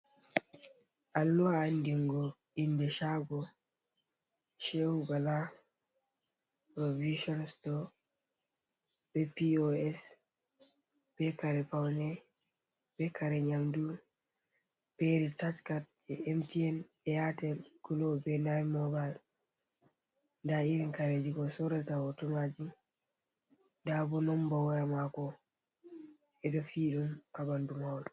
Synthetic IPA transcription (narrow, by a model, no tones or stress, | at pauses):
alːuandiŋɡo | indeʃabo | ʃeubala | pɾoviʃɔnstɔ | b̥epioɛs | b̥ekaɾepawne | b̥ekaɾeɲaŋdu | b̥ɛɾitat͡ʃkat̚d͡ʒɛɛmtiɛn | ɛjatɛlɡulɔbɛnajmɔbal | ndaiɾiŋkaɾɛd͡ʒikɔsɔɾɛtawɔtɔmad͡ʒi | ndabɔnɔmbawɔjamakɔ | ɛdɔfiːɗumabandumawd